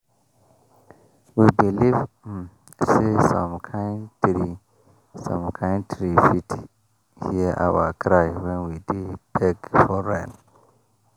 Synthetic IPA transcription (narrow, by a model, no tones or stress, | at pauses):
wibiliv | sesɔ̰̃mkʰãɪ̃ntʰɾi | sɔ̰̃mkʰãɪ̃ntʰɾifitʰ | hiəʔa̰wə̰kʰɾaɪwɛ̃nwidib̥ɛɡfɔɹɛ̃n